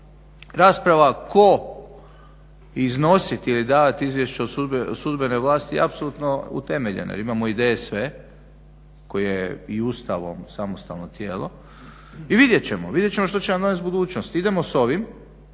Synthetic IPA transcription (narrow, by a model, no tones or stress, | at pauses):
ɾaːspɾaʋako̞ | izno̞sit̪ilid̪aːʋat̪izʋje̞ʃt͡ʃeosud̪besud̪beneʋlˠaːst̪ijḛapsolˠuːt̪noṵt̪e̞meʎḛna̰jḛɾimaːmoid̪eːjesʋe | ko̞jijeiust̪aʋo̞̰msamost̪a̰lno̞t̪jeːlˠo̞̰ | iʋid̪jet͡ɕemo̰ʋid̪jet͡ɕe̞moʃt̪ot͡ɕenamd̪o̞nesbud̪uːt͡ɕnost̪id̪e̞mo̞so̞ʋim